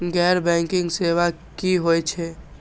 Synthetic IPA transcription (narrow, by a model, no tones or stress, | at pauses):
ɡɛːɾbɛ̃ŋkɪ̃ŋɡseʋa | kiɦojt͡ʃʰɛ